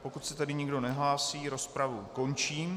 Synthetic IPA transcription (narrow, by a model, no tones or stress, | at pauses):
po̞kut̪sɛt̪adɪɲɪɡdo̞nɛɦlaːsiːɾo̞spɾavuko̞nt͡ʃiːm